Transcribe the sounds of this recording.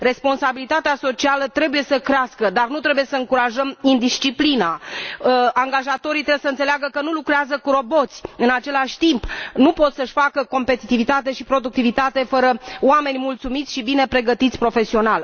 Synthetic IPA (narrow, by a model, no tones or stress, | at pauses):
re̞spo̞nsabilit̪at̪easo̞t͡ʃialət̪ɾe̞buje̞səkɾeaskəd̪arnut̪ɾe̞buje̞səɨŋkuɾaʒəmind̪ist͡ʃiplina | aŋɡaʒat̪o̞ɾit̪ɾebesəɨnt̪seleaɡəkənulukɾeazəkuɾo̞bo̞t̪sʲɨnat͡ʃe̞laʃʲt̪impnupo̞t̪səʃʲfakəko̞mpe̞t̪it̪ivit̪at̪e̞ʃipɾo̞d̪uk̚t̪ivit̪at̪e̞fəɾəoame̞nʲmult̪sumit̪sʲʃibine̞pɾe̞ɡət̪it̪sʲpɾo̞fe̞sio̞nal